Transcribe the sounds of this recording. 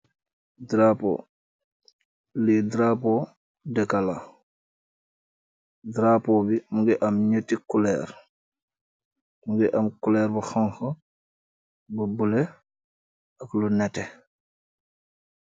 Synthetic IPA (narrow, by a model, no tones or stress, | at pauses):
dɾapo̰ | lidɾapɔ | dɛkala | dɾapɔbimuɡɛʔamɲətːikulɛɾ | muɡɛʔɐmkulɛːɾbɐxaŋxɐ | bubulɛ | ɐklunɛtɛ